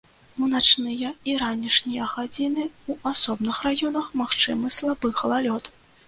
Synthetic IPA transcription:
unat͡ʂnɨjɐiɾanʲiʂnʲijɐɣad͡zʲinɨuʔasɔbnɨxrajɔnɐxmaxt͡ʂɨmɨslˠabɨxɐlˠalʲɔt̪

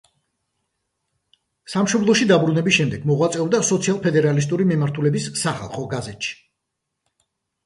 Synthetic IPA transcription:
samʃɔblˠɔʃid̪abɾunɛbisʃɛmd̪ɛɡmɔʁwat̪sʼɛɔbd̪asɔt̪sʰialˠpʰɛd̪ɛɾalis̬t̪ʼuɾimimaɾt̪ʰulɛbisːaχa̰lˠχɔɡazɛt̪ʃi̥

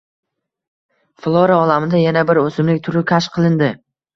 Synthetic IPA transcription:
flˠoɾaɒlamɪd̪ajanabɪɾɵsɪmlɪk̚ʲt̪ʰʊɾɪkʲʰaʃqʰɨlˠɪnd̪ɪ

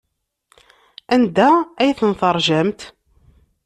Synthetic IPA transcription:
ænd̪ææjθənθəɾˤʒæmt̪

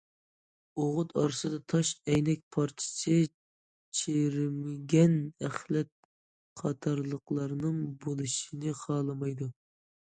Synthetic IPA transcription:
oʁʊt̪ɑɾɨsɨd̪ɑt̪ʰɑʃɛjnɛk̚ʲpʰɑɾt͡ʃʰɪ̥sʰɪ | t͡ʃʰeɾɪmɪɡʲɛnæχlɛt̪̚ | qʰɑt̪ʰɑɾlˠəqlˠɑɾnɨŋbolˠɨʃinɨχʰɑlˠɨmɑjd̪u

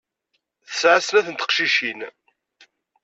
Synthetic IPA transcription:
θəsʕasnæθənt̪ə̥qʃiʃin

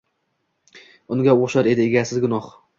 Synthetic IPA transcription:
ʊŋɡʲaoʃaɾe̞d̪ɪeɡʲasɪzɡʊnɒχ

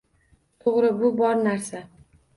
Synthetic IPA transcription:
t̪ʰoʁɾɪbʊbɒɾnaɾsa

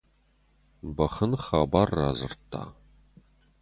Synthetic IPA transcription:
bɐχənχaːbarːa̰ːzɨ̰rtʰːa̰ː

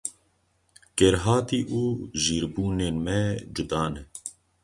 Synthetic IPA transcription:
kɛɾɦɑːt̪iːʔuːʒiːɾbuːneːnmɛd͡ʒʊd̪ɑːnɛ

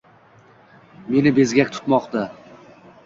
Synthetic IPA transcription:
me̞nɪbe̞zɡʲakʲt̪ʰʊ̥t̪mɒqt̪a

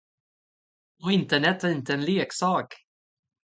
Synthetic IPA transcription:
ɔɪnt̪əɳɛt̪æɾɪnt̪əɛnleːksɑːk

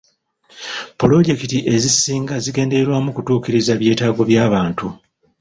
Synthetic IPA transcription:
polo̞ɟe̞kitiʔe̞zisiːŋɡaziɡe̞ːnde̞eɾwamukutuːkiɾizaβje̞ːtaːɡo̞βjaːβaːntu

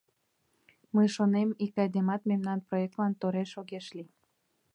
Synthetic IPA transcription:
məjʃonemikɑjd̪emɑt̪memnɑnproek̚t̪lɑnt̪oɾeʃoɣeʃli

